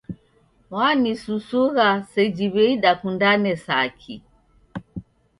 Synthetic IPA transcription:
wanisusuɣasɛd͡ʒiβɛiɗakundanɛsakʰi

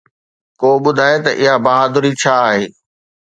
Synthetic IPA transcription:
koːɓʊd̪ʱaːet̪ɐʔɪɦabɐɦaːd̪ʊɾit͡ɕʰaːɦeː

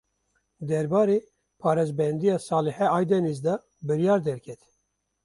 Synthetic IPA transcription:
d̪ɛɾbɑːɾeː | pʰɑːɾɛzbɛnd̪ijɑːsɑːlɨhɛɑːjd̪ɛnizd̪ɑ | bɨɾjɑːɾd̪ɛɾkʰɛt̪

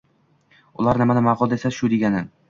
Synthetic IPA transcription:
ʊ̰lˠaɾnɪmanɪmaqʊlˠd̪esaʃʊd̪eɡʲanɪn

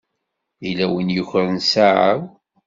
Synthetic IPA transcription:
ilæwənjəçɾənsaʕəw

